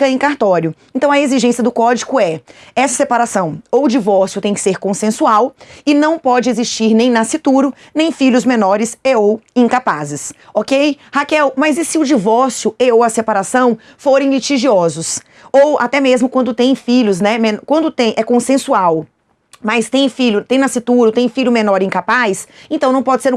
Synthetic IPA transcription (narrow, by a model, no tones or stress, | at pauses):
kɐ̃ẽkaɾt̪ɔɾjʊẽnt̪ɐ̃w̃ɐeziʒẽsijɐd̪ʊkɔd͡ʒikʊɛɛsɐsepaɾasɐ̃w̃owʊd͡ʒivɔɾsjʊt̪ẽj̃kɪ̥seɾkõsẽsuawɪnɐ̃w̃pɔd͡ʒɪeziʃt͡ʃiɾnẽj̃nasɪt̪uɾʊ | nẽj̃fiʎʊzmẽnɔɾɪseowĩkapazɪsokejhakɛwmɐzɪsɪʊd͡ʒivɔɾsijʊeowɐsepaɾasɐ̃w̃ | foɾẽj̃lit͡ʃiʒiɔzʊs | owa̰t̪ɛmezmʊkwɐ̃nd̪ʊt̪ẽj̃fiʎʊznɛmẽnkwɐ̃nd̪ʊt̪ẽj̃ʔɛkõsẽsuaw | majst̪ẽj̃fiʎʊt̪ẽj̃nasit̪uɾʊt̪ẽj̃fiʎʊmẽnɔɾɪĩŋkapajsẽnt̪ɐ̃w̃ñw̃pɔd͡ʒɪseɾʊ̃